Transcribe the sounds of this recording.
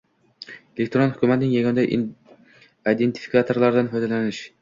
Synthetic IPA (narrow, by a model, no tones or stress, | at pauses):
elek̚ʲt̪oɾonhʊkʲumæt̪ɪnɪŋjaɡʲond̪ɛ | ijd̪ent̪ʰi̥fi̥kat̪ʰoɾlˠɑɾɪd̪ænfɒjd̪ælænɪʃ